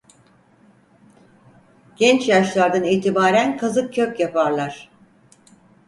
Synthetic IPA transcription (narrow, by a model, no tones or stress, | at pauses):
ɟ̥ɛnt͡ʃjaʃlˠaɾd̪aniːt̪ʰibaːɾænkʰazɯk̚cʰøcjapʰaɾlˠaɾ̥